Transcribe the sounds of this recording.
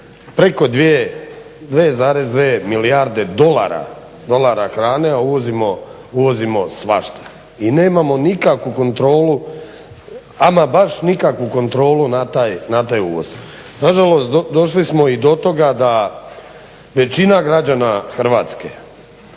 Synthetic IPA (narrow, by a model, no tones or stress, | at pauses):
pɾe̞ko̞d̪ʋie | d̪ʋeːzaːɾezd̪ʋeːmiliaɾd̪e̞d̪o̞la̰ɾa̰ | d̪o̞lˠaɾaxɾaːne̞auʋo̞zimo̞ | uʋo̞zimo̞sʋa̰ʃt̪ḁ | ine̞ːmamo̞nikakʋuko̞nt̪ɾo̞ːlu | amabaʃnikakʋuko̞nt̪ɾo̞ːlunat̪aːjnat̪aːjṵʋo̰z | naʒalo̞st̪d̪o̞ʃlismo̞id̪o̞t̪o̞ɡad̪a | ʋe̞t͡ɕinaɡɾad͡ʑanaxr̩ʋaːt̪ske̞̰